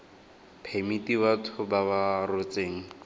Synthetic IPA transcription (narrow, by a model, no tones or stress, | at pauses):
pʰemitibatʰʊbabarot͡seːŋ̩